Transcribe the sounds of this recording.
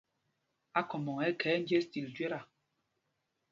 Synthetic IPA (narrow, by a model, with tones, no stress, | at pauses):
a˦kɔ˨mɔ˨ŋɛ˦kɛː˨˦n̩˦d͡ʒjɛ˦sti˨ld͡ʒɥɛ˦ɾa˨